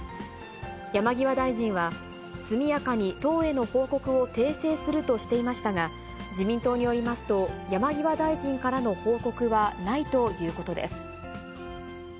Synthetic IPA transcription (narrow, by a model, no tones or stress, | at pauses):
jamaɡʲiβad̪aiʑĩɰ̃βa | sɨmʲijakaɲ̟it̪o̞ːe̞no̞ho̞ːko̞kɯ̟o̞t̪e̞ːse̞ːsɨɾɯ̟t̪o̞ɕi̥t̪e̞imaɕi̥t̪aɡa | d͡ʑimʲĩnt̪o̞ːɲ̟ijo̞ɾʲimasɨ̥t̪o̞jamaɡʲiβad̪aiʑĩŋkaɾano̞ho̞ːko̞kɯ̟βanait̪o̞jɯ̟ːko̞t̪o̞d̪ḛsɨ̥